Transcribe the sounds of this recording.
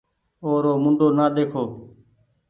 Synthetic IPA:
oːɾoːmʊ̃ɳɖoːnaːɗ̪eːkʰoː

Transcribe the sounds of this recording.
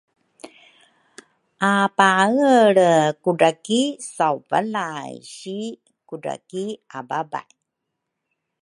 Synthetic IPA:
ʔapaɣəɭəkuɖakisawva̰lajɕi | kuɖa̰kiababa̰j

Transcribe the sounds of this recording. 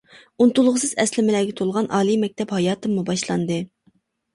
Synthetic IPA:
unt̪ulˠʁəsɨzɛslɪmɪlæːɡʲɛt̪ʰolˠʁɑnʔɑːlˠimɛk̚ʲt̪ʰɛphɑjɑːt̪ɨmːubɑʃlˠɑnd̪ɨ

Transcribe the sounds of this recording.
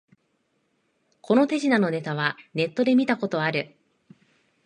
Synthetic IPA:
kʰo̞no̞t̪e̞ʑinano̞ne̞t̪aβ̞ane̞t̪ːo̞d̪e̞mʲit̪ako̞t̪o̞aɾɯ̟

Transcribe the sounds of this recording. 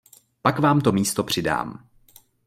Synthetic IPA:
pakvaːmt̪o̞miːst̪o̞pr̝̥ɪda̰ːm

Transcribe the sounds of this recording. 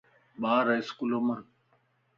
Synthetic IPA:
ɓaːɾaɪskuloːməɾ

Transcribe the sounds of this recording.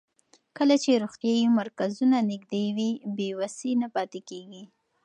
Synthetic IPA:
kəlat͡ʃeɾoxt̪jɑjumaɾkazunanɪɡd̪ewibewasinapɑt̪ekeɡi

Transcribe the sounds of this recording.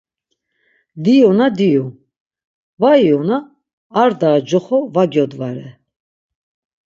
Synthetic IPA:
d̪iɔnad̪iju | vajɔnaː | ɾd̪aːd͡ʒɔχɔvaɡjɔd̪vaɾɛ

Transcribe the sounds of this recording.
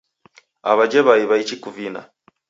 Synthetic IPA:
a̰βad͡ʒɛβaiβait͡ʃikuvina̰

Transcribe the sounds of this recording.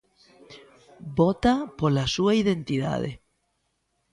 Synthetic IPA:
bot̪apolasuaiðent̪iða̰ðḛ

